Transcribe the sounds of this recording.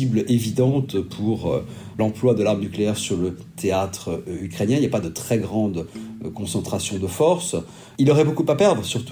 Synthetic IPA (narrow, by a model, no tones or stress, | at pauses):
iblevid̪ɑ̃t̪pʰuʁø | lɑ̃plwad̪əlaʁmnykleɛʁsyʁlət̪ʰeat̪χəykχenjɛ̃iljapad̪ət̪χɛɡʁɑ̃d̪kɔ̃sɑ̃t̪χasjɔ̃d̪əfɔʁs | ilɔʁɛbokupapɛʁd̪ʁəsyʁt̪u